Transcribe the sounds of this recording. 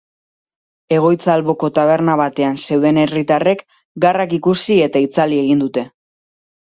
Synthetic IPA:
e̞ɣ̞o̞jt͡saːlβo̞ko̞t̪aβ̞e̞ɾnaβat̪e̞anse̞wðe̞ne̞rit̪are̞k | ɡarakikusie̞t̪ait͡salie̞ɣind̪ut̪e̞

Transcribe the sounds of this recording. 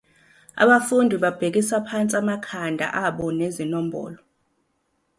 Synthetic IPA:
a̰ɓafundʱiɓab̥ʱek̬isapʰant͡sʼiamakʰandʱa̰ʔaɓɔnezinɔm̩bʱɔ̰ːlɔ

